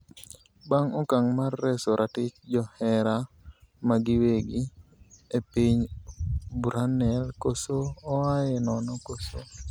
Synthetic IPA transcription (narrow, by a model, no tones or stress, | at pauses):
baŋɔkaŋmarːɛsoɾʔatɪt͡ʃd͡ʒɔhɛɾamaɡɪweɡi | epiɲ | bɾanɛlkosoːajɛnɔnɔkoso